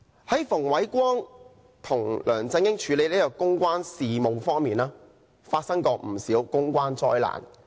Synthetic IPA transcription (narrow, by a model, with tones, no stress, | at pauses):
hɐ˨˥jfʊ˨˩ŋwɐ˨˥jkʷɔː˥ŋ | t̪ʰʊ˨˩ŋlʔœː˨˩ŋt͡sɪ˧ŋkɪ˥ŋt͡ʃʰyː˨˧le˨˧jlːjɔ˧kʊ˥ŋkʷaː˥nsiː˨mo˨˧wfɔː˥ŋmiː˨naː˥ | faː˧t̚sɐ˥ŋkɔː˧m̩˨˩siː˨˥wkʊ˥ŋkʷaː˥nt͡sɔː˥jla̰ː˨˩n